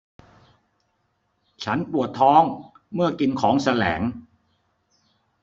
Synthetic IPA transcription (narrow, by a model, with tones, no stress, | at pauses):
t͡ɕʰa˦˥npɾu˨˩ət̪ʰːɔː˦˥ŋ | mɯ˥˩ɐki˧nkʰɔː˩˦ŋsa˧lɛ̰ː˩˦ŋ